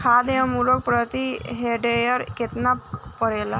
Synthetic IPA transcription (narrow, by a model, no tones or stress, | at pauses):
kʰad̪eəmuɾok̚pɾət̪iɦeɖejəɾket̪nappəɾela